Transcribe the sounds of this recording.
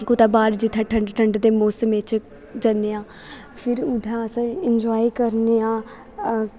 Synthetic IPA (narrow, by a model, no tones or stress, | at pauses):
kʊt̪aːbaːɾd͡ʒɪt̪ʰːãːʈʰəɳɖʈʰəɳɖd̪eːmoːsəmɪt͡ʃ | d͡ʒənːeːãː | pʰɪɾʊɖʱãːəsə̃ɪɲd͡ʒaːikəɾneːãː